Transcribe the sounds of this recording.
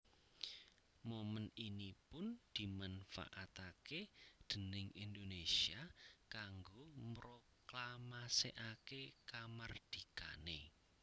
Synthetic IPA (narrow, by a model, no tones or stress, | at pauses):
moməninipʊnd̪̥i̤manfa̰ʔat̪aked̪̥ə̤nɪŋind̪onesiakaŋɡomɾo | klamaseʔakekamard̪̥ika̰ne